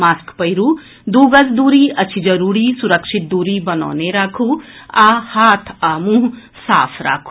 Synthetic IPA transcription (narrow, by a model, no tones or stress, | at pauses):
maːskpɐjɾuː | d̪uːɡɐsd̪uːɾiɐt͡ʃʰid͡ʒɐɾuːɾisuɾəkʃit̪̚d̪uːɾibɐnɔ̰ːneɾaːkʰuahaːt̪ʰaːmũɦ | saːpʰɾa̰ːkʰː